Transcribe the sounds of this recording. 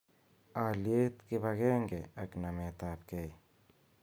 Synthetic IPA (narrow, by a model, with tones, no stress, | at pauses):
alje˦t̪kɪ˦baɡe˦ŋɡe˨a˨kna˨me˨t̪ap̚ke˦˨j